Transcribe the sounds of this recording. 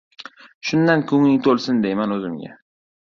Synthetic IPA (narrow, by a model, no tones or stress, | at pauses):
ʃʊnd̪ankʰʊŋɪŋt̪ʰolˠsɪnd̪ejmanɵzɪmɡʲa̰